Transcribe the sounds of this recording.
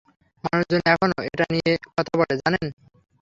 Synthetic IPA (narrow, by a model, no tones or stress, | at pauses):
manuʃd͡ʑoniɛkʰonoeʈaniekɔt̪ʰaboled͡ʑanen